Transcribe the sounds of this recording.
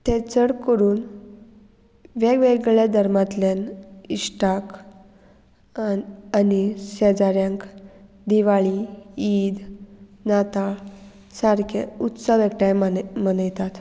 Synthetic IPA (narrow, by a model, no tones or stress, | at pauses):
t̪et͡səɽkəɾuːn | ʋeɡʋeɡɭed̪ʱəɾmat̪lenisʈak | anisɛd͡zaɾjãŋk | d̪iʋaɭiiːd̪nat̪a | saɾkʰeut̪səʋekʈajmənəjt̪at̪